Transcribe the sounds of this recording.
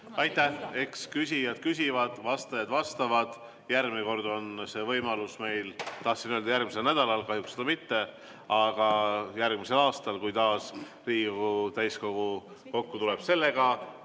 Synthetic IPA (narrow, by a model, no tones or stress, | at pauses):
ɑjt̪ːˑæhe̞kskysʲijɑd̪̥kysʲivɑd̪̥vɑst̪ɑjɑd̪̥vɑst̪ɑvɑd̪̥ | jærmiko̞rd̪o̞nse̞ːvɤjmɑlusme̞jlt̪ɑhsinøld̪ɑjærɡmise̞lnæd̪̥ɑlɑlkɑhjuksːed̪ɑmit̪ːe̞ | ɑɡ̥ɑjærɡ̥mise̞lɑːst̪ɑlkujt̪ɑːs | riːɡkoɡɡut̪æjsko̞ɡ̥u | ko̞kːut̪ule̞b̥se̞lːe̞ɡ̥ɑ